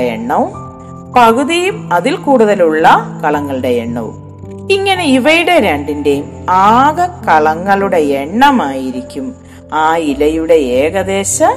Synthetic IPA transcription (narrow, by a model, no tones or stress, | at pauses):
ḛɳːow | pɐɣuðijumɐðilkuːɽuðɐluɭːɐkɐɭɐŋːɐɭuɽe̞eɳːo̰ː | iŋːɐne̞iʋɐjuɽe̞ɾeːɳɖinde̞jum | aːɣɐkɐɭɐŋːɐɭuɽe̞eɳːɐmaːjiɾikʲːum | aːilɐjuɽe̞eːɣɐðe̞ːɕɐ